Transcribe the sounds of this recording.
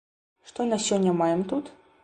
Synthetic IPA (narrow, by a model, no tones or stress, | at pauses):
ʂt̪ɔnɐsʲɔnʲːɐmajɛmt̪ut̪